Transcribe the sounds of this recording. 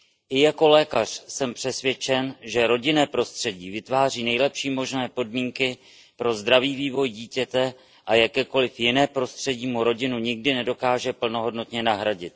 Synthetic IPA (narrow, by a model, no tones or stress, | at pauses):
ʔɪjako̞lɛːkar̥sɛmpr̝̥ɛsvjɛt͡ʃɛnʒɛɾo̞ɟɪnɛːpɾo̞st̪r̝̥ɛɟiːvɪt̪vaːr̝iːnɛjlɛpʃiːmo̞ʒnɛːpo̞dmiːŋkɪ | pɾo̞zd̪ɾaviːviːvo̞jɟiːcɛt̪ɛ | ʔajakɛːko̞lɪfjɪnɛːpɾo̞st̪r̝̥ɛɟiːmuɾo̞ɟɪnuɲɪɡdɪnɛdo̞kaːʒɛpl̩no̞ɦo̞dno̞t̪ɲɛnaɦɾaɟɪt̪̚